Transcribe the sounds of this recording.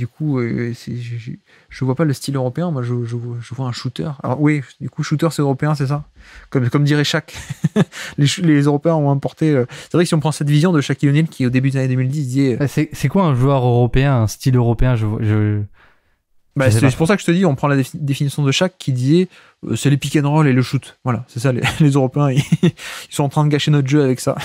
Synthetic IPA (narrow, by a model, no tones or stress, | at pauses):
d̪ykʰuøsɛʒʒ | ʒ̥əvwapaləst̪iløʁɔpeɛ̃mwaʒəʒəvwaʒəvwaɛ̃ʃut̪œ̰ːʁaɔ̰wid̪ykuʃut̪œʁsɛøʁɔpeɛ̃s̬ɛs̬akɔmkɔmd̪iʁɛʃak | leʃulezøʁɔpeɛ̃ɔ̃ɛ̃pɔʁt̪eøsɛvʁɛkəsiɔ̃pχɑ̃sɛt̪vizjɔ̃d̪əʃakijɔnilkʲʰiod̪ebyd̪ezaned̪ømild̪isd̪izɛøsɛsɛkwaɛ̃ʒuœʁøʁɔpeɛ̃ɛ̃st̪iløʁɔpeɛ̃ʒəvwaʒə | basɛsɛ̥puʁsakəʒə̥t̪əd̪iɔ̃pχɑ̃lad̪efinisjɔ̃d̪əʃakʰːid̪izɛ | ø̰sɛləpikʲɛnʁɔleləʃut̪vwalasɛsalḛlezøʁɔpeɛ̃iisɔ̃ɑ̃t̪χɛ̃d̪əɡaʃenɔt̪χʒøavɛksa̰